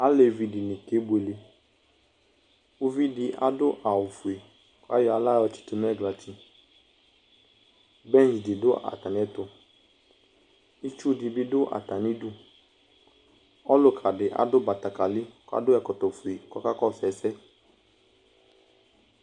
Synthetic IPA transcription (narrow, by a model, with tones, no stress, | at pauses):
a˨˦le˨vi˨di˨nĩ˨ke˨˦be˨le˧ | u˧vi˦dɪ˧ʔa̰˨dʊ˦ʔa˨wʊ˨fu˨e˨ | kɔ˦a˦jɔ˦˨a˨˧la˦˨˦ɔ˧t͡ʃi̥˦tʊ˧˦n˦ɛ˦˨ɡla˨tʰi˨ | bɛ̃˦˨nt͡ʃdi˨dʊ˦a̰˨ta˨n˨˦ɛ˦tʊ˧ | i˦t͡ʃu˦di˧bi˦dʊ˦ʔa̰˨ta˨ni˦du˦ | ɔ˦lʊ˦kʰa˨dɪ˨ʔa̰˨˦dʊ˦ba˨ta˨ka˨li˦kɔ˦a̰˦dʊ˦ɛ˨kɔ˨tɔ˨fu˨e˨kɔ˦ka˦kɔ˦˨sɛ˨˦sɛ˦